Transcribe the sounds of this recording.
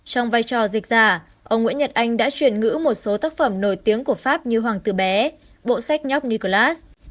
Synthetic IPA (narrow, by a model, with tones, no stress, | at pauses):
t͡ɕɔ˧wŋ͡mvaː˧jt͡ɕɔ˨˩zï˨˩k̟̚zaː˧˩ | ʔə˧wŋ͡mŋḭ˧˥nɲə˨˩t̚ʔa˧jŋ̟ɗa̰ː˧˥t͡ɕwi˧˩ənŋɨ̰˧˥mo˨˩t̚so˨˦t̪aː˦˥k̚fə˧˩mno˧˩jt̪i˨˦əŋku˧˩əfaː˦˥p̚ɲɨ˧ɦwaː˨˩ŋt̪ɨ˧˩ɓɛ˨˦ | ɓo̰˧˨sa˦˥jk̟̚ɲɔ˦˥wk͡p̚ni˧ko˧laː˦˥s